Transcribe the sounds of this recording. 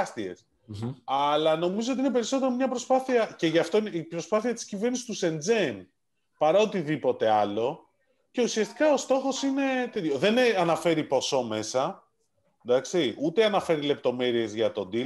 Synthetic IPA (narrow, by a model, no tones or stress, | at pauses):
st̪ie̞̰s | ɐlɐno̞mizo̞ot̪ine̞pe̞ɾiso̞t̪e̞ɾomɲɐpɾo̞spɐθiɐce̞ʝɐft̪o̞ineipɾo̞spɐθiɐt̪i̥scive̞ɾnisi̥st̪use̞nd͡zem | pɐɾɐot̪iðipo̞t̪e̞ɐlo̞ | ce̞usiɐst̪i̥kɐost̪o̞xo̞sine̞t̪eljoðe̞nɐnɐfe̞ɾipo̞so̞me̞sɐ | d̪ɐksiut̪eɐnɐfe̞ɾile̞p̚t̪o̞me̞ɾie̞zʝɐt̪o̞d̪i